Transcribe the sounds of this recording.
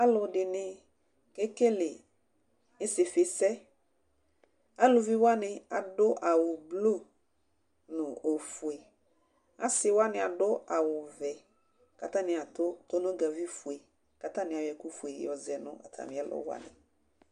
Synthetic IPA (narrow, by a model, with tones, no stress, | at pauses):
a˦lʊ˨dɪ˨nɪ̃˦ | ke˦ke˦lɪ˨ | ɪ˦sɪ˨fɪ˨sɛ˦ | a˦lʊ˨vi˦wa˦nɪ̃˨a̰˨dʊ˦ʔa˨wʊ˨blo˦˨ | nʊ̃˨o˨fu˨e˨ | a̰˦sɪ˨wa˦nɪ̃˨a˨dʊ˦a˨wʊ˨vɛ˨ | ka˨t̪ã˦nɪ̃˨a˨tʊ˦to˦nʊ̃˦ɡa˨vi˦fu˨e˨ | ka˨t̪ã˦nɪ̃˨a˨wjɛ˨ku˦fu˨e˨jɔ˨zɛ˨nʊ̰̃˦a̰˨tʰa̰˨mɪ̃˦ɛ˦lʊ̰˨˦wa̰˦nɪ̰˨